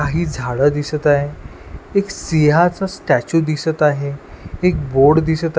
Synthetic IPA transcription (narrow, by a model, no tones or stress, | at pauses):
aɦiːd͡zʱaɽəd̪isət̪aɦe | eksiɦat͡sasʈæt͡ɕuːd̪isət̪aɦeːk̚boɾɽd̪isət̪